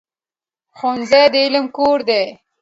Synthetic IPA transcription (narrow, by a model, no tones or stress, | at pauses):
xonzejd̪əɪləmkoɾd̪e